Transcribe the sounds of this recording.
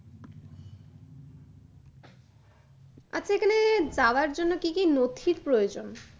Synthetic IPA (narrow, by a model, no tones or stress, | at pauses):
a̰t͡ɕʰekʰaned͡ʑaoaɾd͡ʑonːokikinot̪ʰiɾpɾojod͡ʑon